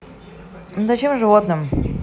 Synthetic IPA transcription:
zɐt͡ɕemʐɨvot̪nɨm

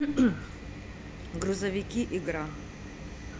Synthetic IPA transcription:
ɡɾʊzɐvʲikʲiʔiɡɾa

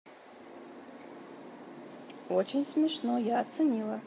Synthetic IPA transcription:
ot͡ʃʰenʲsmʲɪʂnojaːt̪sɨnʲilˠɐ

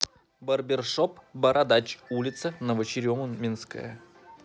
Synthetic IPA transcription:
bərbʲɪrʂopbəɾʔad̪at͡ɕulʲɪt̪sənəvət͡ɕɪɾʲomənmʲinskə̰jə̰

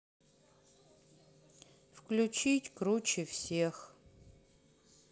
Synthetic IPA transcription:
fklʲut͡ɕitʲkɾut͡ɕɪfsʲex

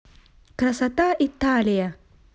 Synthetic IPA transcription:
kɾɐsɐt̪aːʔit̪ːaːlija

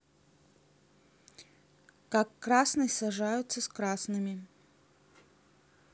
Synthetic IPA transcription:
kakːɾasnɨsɐʐajʊt̪sːəskɾasnɨmʲɪ

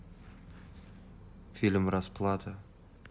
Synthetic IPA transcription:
fʲilʲmɾɑsplˠɑd̪ə

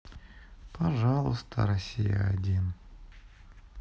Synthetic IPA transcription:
pʰɐʐɑlˠəst̪ʰə̰ɾɐsʲijə̰ɐdʲin

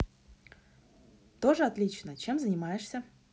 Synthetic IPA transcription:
t̪oʐəat̪lʲit͡ɕnət͡ɕemzənʲɪmajɪʂsʲə

